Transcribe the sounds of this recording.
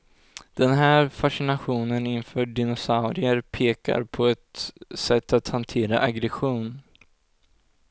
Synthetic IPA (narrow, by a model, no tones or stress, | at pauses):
d̪̥ɛnɦæːɾfaʂɪnaɧuːnənɪnfœːɖɪnɔsaʊɾɪəɾpʰeːka̰ɾpʰɔɛt̪sɛt̪ːat̪hant̪ʰeːɾa̰ʔaɡɾɛɧuːn